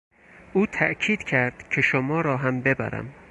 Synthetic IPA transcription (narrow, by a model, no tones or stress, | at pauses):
ʔuːt̪ʰæʔkʰiːd̪̥cʰæɾd̪̥cʰe̞ʃomɒːɾɒːɦæmbe̞bæ̰ɾæ̰m